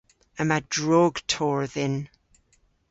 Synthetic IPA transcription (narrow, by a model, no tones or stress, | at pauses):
əmadɹoɡtʰɔɹðɛn